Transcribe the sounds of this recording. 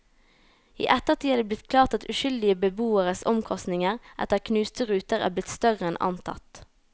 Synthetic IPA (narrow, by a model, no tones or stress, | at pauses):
ḭːʔɛt̪əʁt̪ʰiːɑːd̪eːblɪt̪kʰlɑːʁt̪ɑt̪ʉʃʏld̪ɪəbəbuːəʁəsɔ̰mkʰɔst̪nɪŋəʁʔɛ̰t̪əkʰnʉːst̪əʁʉːt̪əʁæ̰ːblɪt̪st̪œʁəɛnʔɑ̰nt̪ʰɑ̰t̪